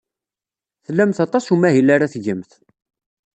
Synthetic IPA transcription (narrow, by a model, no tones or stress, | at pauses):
θəlːæmθɑt̪ˤɑsumæɦilaɾaθʝəmθ